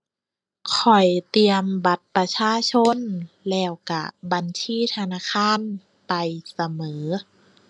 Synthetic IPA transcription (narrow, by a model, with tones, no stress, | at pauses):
kʰɔ˨˩jt̪i˧əmba˧˩t̪̚pɾa˧t͡ɕʰaː˧˥˨t͡ɕʰo˧˥˨n | lɛː˧˩wka̰˧˩ba˨˧nsʰiː˧˥˨t̪ʰa˧naː˧˥˨kʰaː˧˥˨n | pa˨jsa˧mɤː˩˦